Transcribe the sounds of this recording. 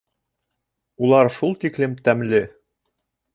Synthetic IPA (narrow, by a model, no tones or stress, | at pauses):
ulˠɑɾʃulˠt̪iklɘmt̪æmlɘ